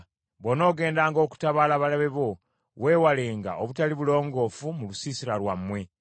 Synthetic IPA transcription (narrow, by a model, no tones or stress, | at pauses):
βo̞no̞ːɡe̞ːndaːŋɡo̞ːku̥taβalaβalaβe̞βo̞ | we̞ːwale̞ŋɡa̰ʔoβutaliβulo̞ːŋɡo̞ːfumulusiːsiɾalwamːwe̞